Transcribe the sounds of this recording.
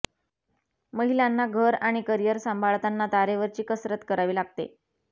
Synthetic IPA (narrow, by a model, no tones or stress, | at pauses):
məɦilanːaɡʱəɾaɽ̃ikəɾijəɾsəmbʱaɭt̪anːat̪aɾeʋəɾt͡ɕiːkəsɾət̪kəɾaʋiːlaɡ̚t̪ḛ